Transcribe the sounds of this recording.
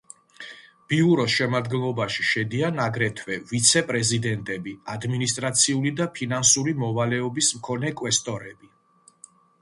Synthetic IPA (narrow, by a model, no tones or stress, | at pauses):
b̥iuɾɔsʃɛmad̪ɡɛnlˠɔbaʃi̥ʃɛd̪ianaɡɾɛt̪ʰwɛvit̪sʰɛpʼɾɛzid̪ɛnt̪ʼɛbiad̪minist̪ʼɾat̪sʰiulid̪apʰinansuɾimɔvalɛɔbismkʰɔnɛkʼwɛst̪ʼɔɾɛbi